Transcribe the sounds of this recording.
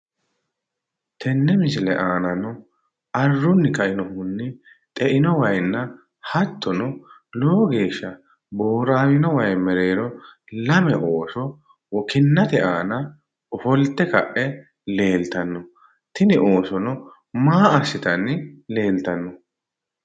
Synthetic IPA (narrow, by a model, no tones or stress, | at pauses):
t̪ʰɛnːɛmɪsɪlɛ̰ʔaːnɐnɔ | ɐrːʊnːɪkɐʔɪnɔhʊnːɪ | t̪ʼɛʔɪnɔwɐjnːɐ | hɐt̪ʰːɔnɔloːɡe̞ːʃːɐ | bo̞ːɾaːwɪnɔwɐjmɛɾe̞ːɾɔlɐmɛʔo̞ːsɔ | wɔkɪnːɐt̪ɛʔaːnɐ | ɔfɔlt̪ːɛkɐ̰ʔɛ | le̞ːlt̪ɐnːɔ | t̪ɪnɪʔo̞ːsɔnɔ | maːɐsːɪt̪ɐnːɪle̞ːlt̪ɐnːɔ